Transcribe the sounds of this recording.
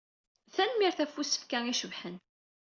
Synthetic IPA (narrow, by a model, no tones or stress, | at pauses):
θænmiɾθæfusə̥fkæŋiʃəvħən